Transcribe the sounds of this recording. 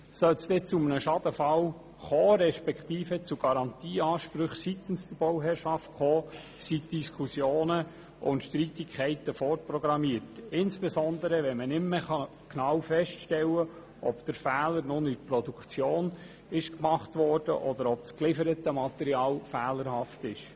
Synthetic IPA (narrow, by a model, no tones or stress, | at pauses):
sœlsd̥̪ɛt͡sumənəʃɑd̥̪əfɑl | χoːɾɛʃpɛkχt̪iːfət͡suɡ̥ɑɾɑnt̪iːɑːʃpɾɵχsit̪ənsd̥̪əb̥ɔwɦɛɾʃɑftχoː | sitd̥iskʰusjoːnə | ʔʊ̰nt̪ʃtɾitikʰχɛɪt̪əfɔrprɔɡɾɑmiətɪnsb̥ɛsɔnd̪əɾəʋɛmənɪmməɑ | knɑwfɛʃtʃtɛlːə | ʔɔb̥d̪̥əɾfæːləɾnʊnitprɔdukt͡sjoːn | ɪʃkmɑχt̪ʋɔrd̥ə̰ʔɔd̪əɾɔb̚sklɪfəɾət̪əmɑt̪ɛɾiɑːlfæːləɾhɑft̪ɪʃ